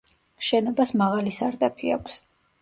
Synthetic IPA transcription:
mʃɛnɔbasmaʁalisaɾd̪apʰia̰kʷʰs

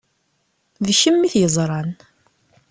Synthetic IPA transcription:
ðəʃəmːiθjəzˤɾˤɑn

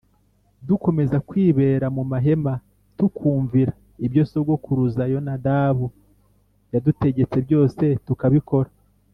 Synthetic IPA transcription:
duko̞me̞zakwiːβe̞ːɾamumaɦe̞ma | tukʰuːɱviɾa | ibjo̞so̞bɡo̞kuɾuzajo̞nadaːβu | jadute̞ɟe̞t͡se̞bjo̞ːse̞tukaβiko̞ɾa

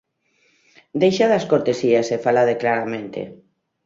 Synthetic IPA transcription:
d̪ejʃaðaskoɾt̪esiasefalaðeklaɾamẽnt̪ḛ

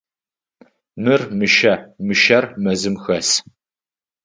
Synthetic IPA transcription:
mɨrmɨʃɐmɨʃɐrmɐzɨmxɐs

